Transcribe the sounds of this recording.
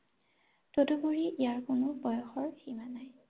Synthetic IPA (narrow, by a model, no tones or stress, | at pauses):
todoboɹiʔijaɹkʊnʊbɔjɔxɔɹximanaj